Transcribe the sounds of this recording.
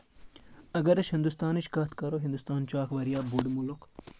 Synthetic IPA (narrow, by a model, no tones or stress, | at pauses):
ɐɡɐɾɐʃhind̪ust̪aːniʃkɐt̪ʰkɐɾoːɦind̪ust̪aːnt͡ʃuaːkʋɐɾijaːbuɖmulok